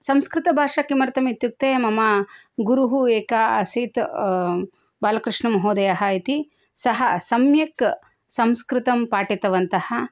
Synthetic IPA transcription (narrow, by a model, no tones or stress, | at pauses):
sɐmskɾɪt̪ɐbʱaːʂɐkimɐɾt̪ɐmit̪juk̚t̪eːmɐmaɡuɾuɦueːkaɐsit̪ | baːlɐkɾɪʂɳɐmɐɦoːd̪ɐjɐɦɐit̪i | sɐɦɐsɐmjɐk | sɐmskɾɪt̪ɐmpaːʈit̪ɐʋɐnt̪ɐhɐ